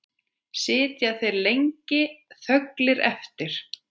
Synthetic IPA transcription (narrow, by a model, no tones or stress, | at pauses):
sɪːt̪jaθejɾlejŋcɪθœklɪɾɛ̰ft̪ɪɾ̥